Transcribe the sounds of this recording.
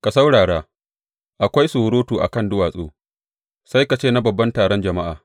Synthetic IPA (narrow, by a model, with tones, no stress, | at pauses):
ka˨sa˦wɽaː˨ɽaː˦ | ʔa˨kʷa˦jsu˨ɾoː˦tuː˨ʔa̰˨kɐ˦˨ndʊ˦waː˨sʼo̰ː˦ | sa˦jka˨t͡ʃeː˦˨na˦bɐ˨bːɐ˦ntaː˨ɽɔ˦nd͡ʒɐ˨ma˦ʔaː˨